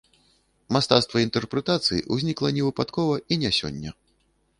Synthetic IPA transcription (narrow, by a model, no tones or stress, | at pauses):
mast̪at̪st̪vɐint̪ɛrpɾɛt̪at̪sɨjḭʔuzʲnʲiklˠɐnʲɛvɨpat̪kɔvɐʔinʲasʲɔ̰nʲːɐ̰